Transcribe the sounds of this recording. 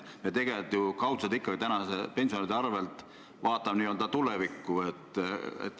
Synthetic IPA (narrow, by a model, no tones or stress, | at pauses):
met̪e̞ɡ̥et̪jukɑwt̪sɑt̪ikːɑɡ̥it̪ænɑsepe̞nsionid̪eɑrve̞lt̪ˑ | vɑːt̪ːˑɑmniːøld̪ɑt̪ulevikːuet̪ːḛt̪ː